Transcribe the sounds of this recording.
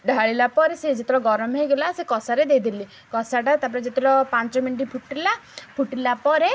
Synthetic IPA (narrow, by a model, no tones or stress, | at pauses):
ɖʱaɭilapɔɾesed͡ʒet̪iɾɔɡɔɾɔmɦejɡelasekɔsaɾed̪ejd̪ili | kɔsaʈat̪apɔɾed͡ʒet̪iɾɔpant͡ʃɔminʈipʰuʈilapʰuʈilapɔɾe